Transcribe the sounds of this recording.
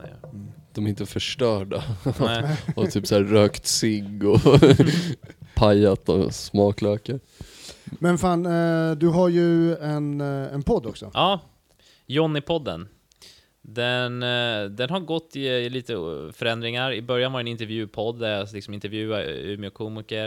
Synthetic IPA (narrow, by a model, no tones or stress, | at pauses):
d̪̥ɔmæɾɪnt̪əfœʂʈœːɖaɛɔt̪ʰyːpsæːɾøːkt̪sɪɡɔ | pʰajːat̪ɔ̰smɑːklœːkəɾ | mɛnfaːnd̪ɵɦaɾjɵɛnɛnpʰɔd̪ːɔksɔʔɑː | jɔnːɪpʰɔd̪ːə̰n | d̪ɛnd̪ɛnɦaɾɡɔt̪ːɪliːt̪əfœɾɛnd̪ɾɪŋaɾɪbœɾjanvaɾɛnɪnt̪ɛɾvjʉ̟ːpʰɔd̪ːæɾlɪksɔmɪnt̪ɛɾvjʉ̟ːaʉ̰ːmɪɔkʰuːmɪkəɾ